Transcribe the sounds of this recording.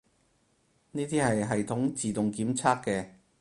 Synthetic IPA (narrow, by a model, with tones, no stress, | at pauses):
niː˥t̪iː˥hɐ˨jɦɐ˨jt̪ʰʊ˨˥ŋt͡siː˨t̪ʊ˨ŋkiː˨˥mt͡sʰaː˥kːɛː˧